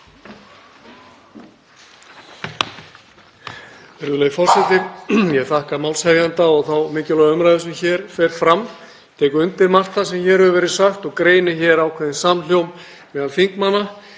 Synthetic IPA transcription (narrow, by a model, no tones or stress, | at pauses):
ɛɾðʏleːjfɔr̥sɛt̪ɪɾjɛɣθahkamaːwlshɛvjant̪aɔɣθawmɪːcɪlɔːɣaʏmɾajðʏsʏmçɛːɾ̥fɛɾ̥fɾam | t̪ʰɛːkʏɾʏnt̪ɪɾmar̥t̪θasɛmçɛːɾhʏvʏvɛːɾɪsaxt̪ɔɣkɾeːjnɪçɛːɾaːwkʰvɛːðɪnsamljowm | mɛðalfiŋkmanːa